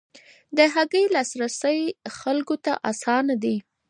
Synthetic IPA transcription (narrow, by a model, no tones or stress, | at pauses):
d̪əɦaɡəjlɑsɾasəjxalkot̪a̰ʔasɑnad̪i